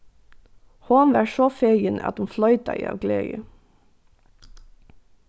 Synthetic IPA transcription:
hoːnʋæːʃoːfejənəʔɑ̰t̪hunflœʏt̪ɑ̰ɪɑ̰ːʋɡlḛːə̰

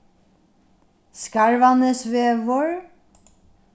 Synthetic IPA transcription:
skɑɹʋɑnəsʋeːʋɔɹ

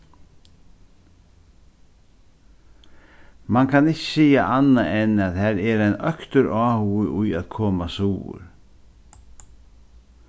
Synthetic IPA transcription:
mankʰanɪcɪ̥siːjaʔanːaʔɛnaðhɛɾɛɾajnœkt̪ʏɾaːhuɪʔʊjaðkʰɔːmasuːʊ̰ɾ̥

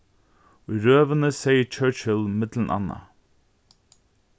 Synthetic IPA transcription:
ɔɾøːʋənəseɪjət͡ʃʰœːt͡ʃəlmɪd̪lənʔɑ̰nːa̰

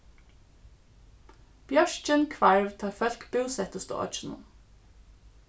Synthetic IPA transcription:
b̥jœʃt͡ʃənkʰʋæɹʋt̪ʰɑːfœlkbʉʊsɛt̪əst̪o̰ːʔɑ̰t͡ʃn̩ə̰

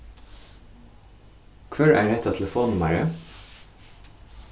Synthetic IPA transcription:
kʰʋœɹæ̰ːɖɛt̪ːat̪ʰɛləfoːnʊmæɹə

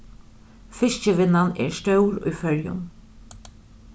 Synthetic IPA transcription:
fɪʃcəʋɪnanɛ̰ːɾst̪œwɾṵjfœɾjʊ̰n

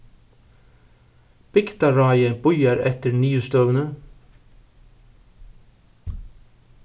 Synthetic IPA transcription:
b̥ɪkt̪ɑɾɑɪəbʊjəɾɛt̪əɾnyːʉst̪œːʋənə

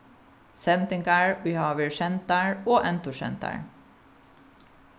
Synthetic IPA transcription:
sɛnt̪ɪŋkaɹwiːhɑːʋɪʃɛnt̪aɹoːʔɛnt̪ʊʃɛ̰nt̪a̰ɹ

